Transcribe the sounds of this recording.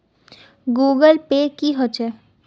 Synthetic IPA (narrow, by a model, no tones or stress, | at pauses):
ɡuːɡəlpekiɦot͡ʃɛ